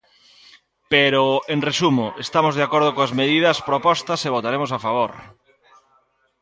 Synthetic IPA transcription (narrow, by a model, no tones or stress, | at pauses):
peɾoeŋresumoʔest̪amozðeakoɾð̞okoazmeð̞ið̞ɐspɾopɔst̪ɐseβ̞ot̪aɾemosafaβ̞oɾ